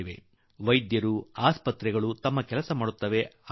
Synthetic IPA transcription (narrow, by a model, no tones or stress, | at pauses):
iʋe̞̰ | ʋɐjd̪jɐɾuaːspɐt̪ɾɛɡɐɭut̪ɐmːɐkɛlɐsɐmaːɽut̪ːɐʋe̞